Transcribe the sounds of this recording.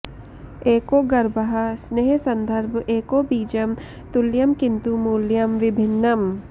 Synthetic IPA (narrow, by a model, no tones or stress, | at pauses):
eːkoːɡɐɾbɐɦɐsneːɦsɐ̃nd̪ʱɐɾbʱeːkoːbiːd͡ʒɐm | t̪ʊljɐmkɪnt̪umuːljɐmʋɪbʱɪnːɐm